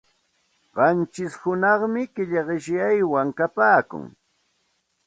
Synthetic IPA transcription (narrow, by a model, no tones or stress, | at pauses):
ɢɑnt͡ʃɪshʊnɑχmɪkɪʎɢɪʃjajwaŋkapaːkʊ̰ŋ